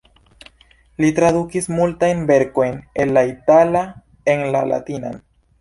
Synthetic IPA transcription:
lit̪ɾaðukismult̪ajnbe̞ɾkojnenlait̪ala | eŋlala̰t̪ina̰n

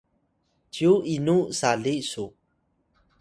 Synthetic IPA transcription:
tiuʔinusaɮisu

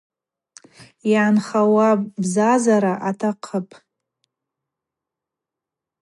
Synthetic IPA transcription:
jaanχawabzazaɾaʔatʰaqʰəpʼ

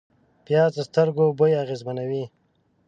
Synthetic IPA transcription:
pjɑːzəst̪əɾɡobojaɣezmanawi

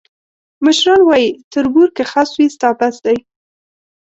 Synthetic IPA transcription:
məʃɾɑnwɑjit̪əɾbuɾkexaswist̪ɑpasd̪aj

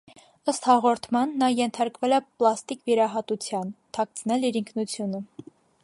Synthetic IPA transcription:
əst̪hɑʁɔɾt̪ʰmɑnːɑjɛnt̪ʰɑɾkvɛlɛplɑst̪ikviɾɑɦɑt̪ut͡sʰjɑnt̪ʰɑk̚t͡sʰnɛliɾiŋkʰnut͡sʰjunə

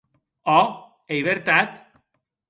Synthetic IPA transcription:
o | ejβeɾt̪at̪

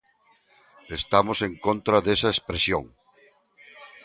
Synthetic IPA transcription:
est̪amoseŋkont̪ɾɐðesɐespɾesjõ̰ŋ

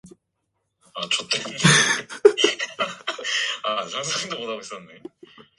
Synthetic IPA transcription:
at͡ɕʰot̪͈e | at͡ɕaŋs̬ʰaiŋd̪opodaos͈ʌnːe

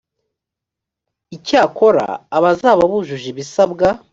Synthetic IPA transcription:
icaːko̞ɾa̰ːβazaːβaβuʒuʒiβisabɡa

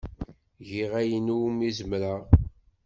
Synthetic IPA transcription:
ʝiʁæjənumizəmɾə

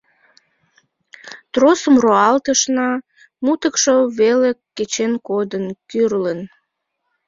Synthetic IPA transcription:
t̪rosəmroɑlt̪əʃnɑ | mut̪əkʃoβelekːet͡ɕenkod̪ənkyrlən

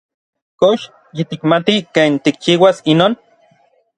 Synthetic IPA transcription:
koʃ | jit̪ikmat̪ikeːnt̪ik̚t͡ʃiwasinoːn

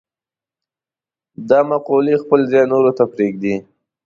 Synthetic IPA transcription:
d̪ɑmaqolixpəlzɑjnoɾot̪apɾeɡd̪i

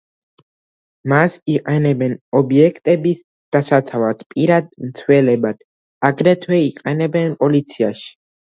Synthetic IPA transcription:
masiqʼɛnɛbɛnɔbjɛkʰt̪ʼɛbis | d̪̥asat͡s̪ʰavat̪ʰpʼiɾad̪̚nsʰwɛlɛbat̪ʰ | aɡɾɛt̪ʰwɛiqʼɛnɛbɛnpʼɔlit̪sʰiaʃ

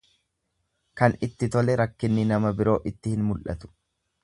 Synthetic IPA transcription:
kɐnɪt̪ːɪt̪ɔlɛɾɐkːɪnːɪnɐmɐbɪɾo̞ːʔɪt̪ːɪhɪnmʊlʔɐ̰t̪ʊ̥

